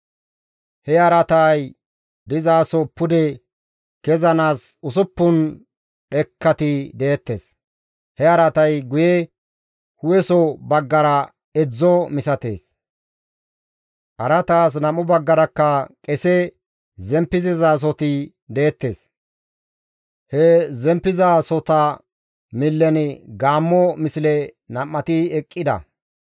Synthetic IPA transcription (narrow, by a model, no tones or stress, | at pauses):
hɛɐɾɐt̪aj | d̪ɪzaːsɔpːʊd̪ɛ | kɛzɐnaːsʊsʊpːʊn | ɗɛkːɐt̪ɪd̪eːt̪ːe̞ːs | hɛɐɾɐt̪ɐjɡʊjɛ | hʊwɛsɔbɐɡːɐɾɐ | ɛd͡zːɔmɪsɐt̪e̞̰ːs | ʔɐɾɐt̪aːs̬nɐmʊbɐɡːɐɾɐkːɐkʼɛsɛ | zɛmpːɪzɪzaːs̬ɔt̪ɪ | d̪eːt̪ːe̞ːs | hɛzɛmpːɪzasɔt̪ɐ | mɪlːɛnɪɡaːmːɔmɪsɪlɛnɐmːɐt̪ɪɛkʼːɪd̪ɐ̰